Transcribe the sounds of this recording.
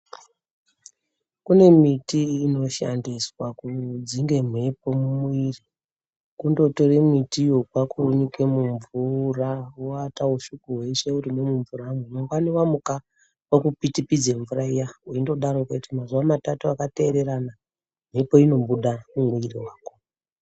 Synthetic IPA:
kune̞mitiːno̞ʃa̰ndiswakud͡ziŋɡe̞m̤we̞po̞mumuiri | kundo̞to̞ɾemwitijokwakʰuɲike̞muɱvurawoatauʃukuɦwe̞ʃe̞uriŋemuɱvuɾamumoŋɡaniwamuka | wokupitipid͡zeɱvuɾaijawuindo̞ɗaɾokatimazuwamatatuakate̞ːɾe̞ɾana | m̤ɦe̞po̞ino̞mbuɗamumuiriwaːko

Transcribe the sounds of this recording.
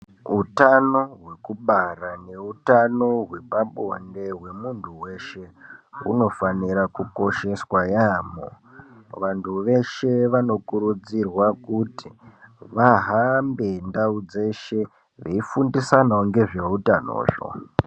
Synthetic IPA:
utano̞ɦwe̞kuɓarane̞utano̞ɦwe̞paɓonde̞ɦwe̞muntʰuwe̞ʃe̞ṵno̞faniɾakuko̞ʃe̞swajaːmo̰ | ʋantʰuʋe̞ʃe̞ʋano̞kuɾud͡zirwakutiʋaɦambe̞ndaud͡ze̞ʃe̞ | ʋeifundisanaoŋɡe̞ʐeutano̰ːʐo̰

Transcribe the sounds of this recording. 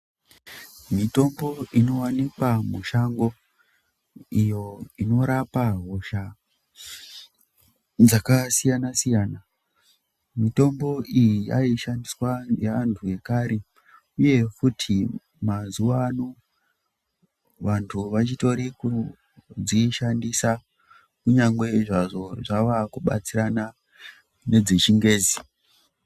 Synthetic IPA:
mito̞mbo̞ino̞wanikwamuʃaŋɡo | ijo̞ino̞ɾapaɦo̞ʃa | d͡zakasijanasijaːna | mito̞mbo̞ʔijija̰iʃandiswaeantʰue̞kaɾe | uje̞futʰi | mazuʋano | ʋantʰuʋat͡ʃito̞ɾiku | d͡ziʃandisa | kuɲaŋɡwe̞iʐaʐo̞ʐaʋakuɓa̰t͡sirana | ne̞d͡zet͡ʃiŋɡe̞ːzi

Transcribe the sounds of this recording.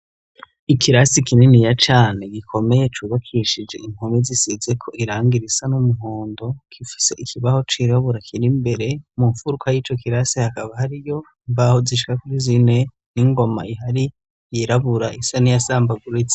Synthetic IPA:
ikʰiɾasikininijat͡ʃaːne̞ɡikʰo̞me̞je̞t͡ʃuβakʰiʃid͡ʒe̞̰im̥homizisizekʰo̞ʔiɾaːŋɡiɾisanumuɦoːndo̞kʰifi̥se̞ʔikʰiβaho̞t͡ʃiɾaβuɾakʰiɾimbe̞ɾe̞muɱfuɾukʰajiːt͡ʃo̞kiɾasihakaβahaɾijo̞ | mbaho̞ziʃ̬i̥kakuɾizine̞ | niŋɡo̞ma̰iɦaɾi | jiɾaβuɾaʔisanijasaːmbaɡuɾit͡se̥

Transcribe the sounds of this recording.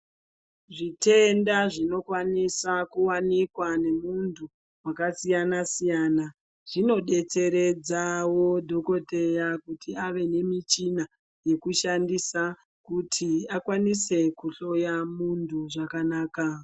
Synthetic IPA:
ʐite̞ndaʐino̞kwanisakuwanikwane̞muntu | wakasijanasijaːna | ʐ̥ino̞ɗe̞t͡se̞ɾe̞d͡zawodʱo̞ko̞te̞jakutʰiaʋe̞ne̞mit͡ʃina | je̞kuʃandisa | kutʰiakwanise̞kuɬo̞jamuntʰuʐakanaːka

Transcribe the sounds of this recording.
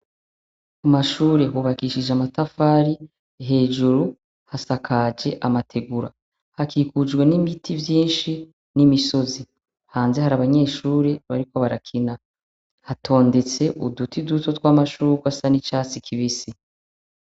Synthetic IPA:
kumaʃuːɾe̞ɦuβakiʃid͡ʒeamatafaːɾi | ɦe̞ːʒuɾu | hasakʰad͡ʒe̞ʔamatʰe̞ɡuɾa | hakiːkud͡ʒɡwe̞nimitʰivjiːnʃi | nimiso̞zi | haːnze̞haɾaβaɲe̞ːʃuːɾeβaɾiko̞βaɾakʰina | hatʰo̞ːnde̞t͡se̞ʔudutiduto̞twaːmaʃuːɾkwasanit͡ʃaːt͡sikʰiβisi

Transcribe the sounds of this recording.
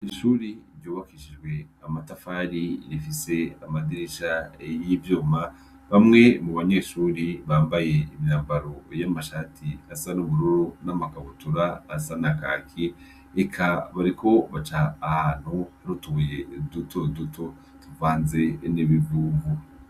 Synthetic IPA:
iʃuːɾiɾjuːβakiːʃid͡ʒɡwe̞amatafaːɾiɾifise̞amadiɾiʃajivjoːma | βamŋe̞muβaɲe̞ːʃuːɾiβaːmbaje̞imjaːmbaɾo̞jamaʃaːtʰiasanumuɾuɾunamakaβutuɾaːsanaka̰ːkʰi | ekʰaβaɾikʰo̞βat͡ʃaːhaːn̥huhaɾutuujedutʰodutʰo̞ | tuvaːnze̞niβivuvu

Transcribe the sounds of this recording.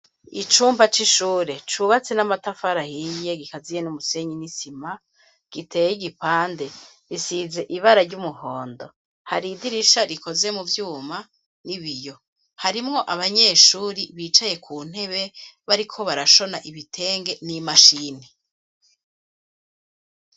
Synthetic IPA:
it͡ʃuːmbat͡ʃiʃuːɾe̞t͡ʃuːβat͡senamatafaɾahije̞ɡikazijenumuse̞ɲinisima | ɡ̥itʰe̞ːjiɡipaːnde̞ | ɾisize̞ʔiβaɾaɾɟumuhoːndo̞ | haɾidiɾiʃaɾiko̞ze̞muvjuːma | niβijo̞ | haɾimŋo̞ʔaβaɲe̞ːʃuːɾiβiːt͡ʃaje̞kʰuːn̥he̞βeβaɾikʰo̞βaɾaʃo̞naʔiβitʰe̞ːŋɡe̞nimaʃiːni

